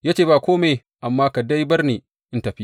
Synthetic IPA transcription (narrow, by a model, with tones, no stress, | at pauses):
jaː˦t͡ʃeː˨baː˨kʷoː˦meː˨ | ʔa˨mːaː˦ka˨da˦jbɐ˦rneː˨ | ʔɪ˦ntɐ˨ɸi˦